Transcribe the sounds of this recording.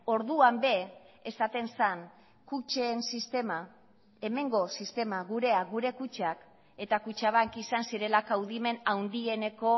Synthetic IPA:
o̞ɾðuambe̞ | esat̪e̞nsan | kut͡ʃeːnsist̪ema | e̞me̞ŋɡo̞sist̪e̞maɣuɾe̞aɣuɾe̞kut͡ʃak | e̞t̪akut͡ʃaβakisansiɾe̞lakawðime̞nawnd̪ie̞ne̞ko̞

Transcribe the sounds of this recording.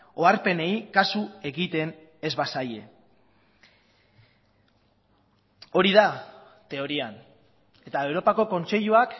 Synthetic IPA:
o̞aɾpe̞ne̞ikasue̞ɣit̪e̞ne̞zβasaje̞ | o̞ɾiða | t̪e̞o̞ɾian | e̞t̪ae̞wɾo̞pako̞ko̞nt͡se̞ʎuak

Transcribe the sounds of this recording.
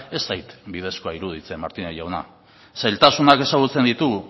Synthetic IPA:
e̞st̪ajt̪bið̞e̞skoaiɾuð̞it͡se̞maɾt̪ineʝawna̰ | sajlt̪asunake̞saɣ̞ut͡se̞nd̪it̪u

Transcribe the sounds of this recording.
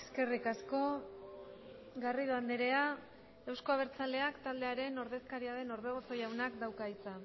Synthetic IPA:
ske̞rikasko̞ | ɣariðoand̪eɾe̞a | ewsko̞aβ̞eɾt͡sald̪e̞akt̪ald̪e̞aɾe̞no̞ɾðe̞skaɾiaðe̞no̞ɾðeɣ̞oso̞jawnakd̪awkait͡sa

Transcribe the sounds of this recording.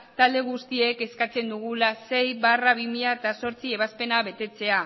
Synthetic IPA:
t̪ald̪e̞ɣust̪ie̞ke̞skat͡se̞nd̪uɣ̞ulase̞jβaraβimiaet̪aso̞ɾt͡sie̞β̞aspe̞naβe̞t̪e̞t͡se̞a

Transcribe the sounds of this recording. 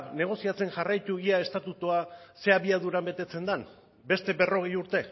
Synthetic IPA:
ne̞ɣ̞o̞siat͡se̞nʝarajt̪uiae̞st̪at̪ut̪uase̞aβiaðuɾambe̞t̪e̞t͡se̞nd̪an | be̞st̪e̞βe̞ro̞ɣ̞ejuɾt̪e̞

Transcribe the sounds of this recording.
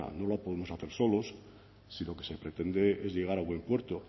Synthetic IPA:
a̰no̞lapoðemo̞saθe̞ɾso̞lo̞s | silo̞ke̞sepɾet̪end̪eezʎe̞ɣ̞aɾaβwe̞mpwe̞ɾt̪o

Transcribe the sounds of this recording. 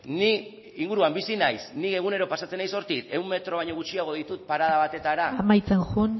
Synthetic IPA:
ni | iŋɡuɾuambisinajsnike̞ɣ̞une̞ɾo̞pasat͡se̞najso̞ɾt̪it̪e̞wmmːe̞t̪ɾo̞β̞aɲo̞ɣut͡ʃiaɣ̞o̞ð̞it̪ut̪̚paɾað̞aβat̪e̞t̪aɾaamajt͡senʝun

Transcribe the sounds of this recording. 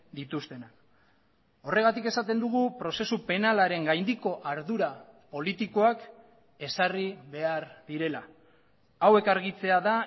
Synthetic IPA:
d̪it̪ust̪e̞nak | o̞re̞ɣ̞at̪ike̞sat̪e̞nd̪uɣ̞upɾo̞se̞supe̞nalaɾe̞ŋɡajnd̪iko̞ʔaɾðuɾapo̞lit̪iko̞ak | e̞sariβe̞aɾðiɾe̞la | awe̞kaɾɣ̞it͡se̞aða

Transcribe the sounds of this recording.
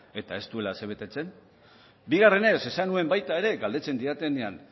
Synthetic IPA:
e̞t̪ae̞st̪ue̞lase̞β̞e̞t̪e̞t͡se̞n | biɣare̞ne̞se̞sanue̞mbajt̪ae̞ɾe̞ɡald̪e̞t͡se̞nd̪iat̪enean

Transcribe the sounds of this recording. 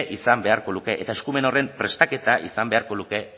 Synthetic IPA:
ʔisambe̞aɾko̞ðuke̞ʔet̪aeskume̞no̞re̞mpɾe̞st̪ake̞t̪aʔḭsambe̞aɾko̞ðuke̞

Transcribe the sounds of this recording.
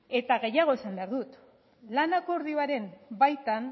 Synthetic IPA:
e̞t̪aɣe̞jaɣ̞o̞esambe̞aɾðut̪ | lanako̞uɾðiaɾe̞mbajt̪an

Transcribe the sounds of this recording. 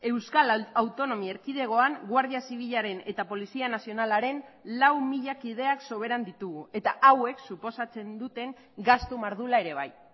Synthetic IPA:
e̞wskalawt̪o̞no̞mie̞ɾkið̞e̞ɣo̞aŋɡwaɾð̞iasiβ̞iʎaɾe̞ne̞t̪apo̞lisianasio̞nalaɾe̞nlawmiʎakið̞e̞akso̞β̞e̞ɾand̪it̪uɣue̞t̪aʔawe̞ksupo̞sat͡se̞nd̪ut̪e̞ŋ | ɡast̪umaɾðulae̞ɾe̞β̞a̰j

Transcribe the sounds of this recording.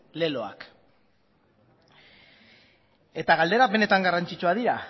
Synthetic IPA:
le̞lo̞a̰k | e̞t̪aɣald̪e̞ɾape̞ne̞t̪aŋɡarant͡ʃit͡ʃuaðiɾa

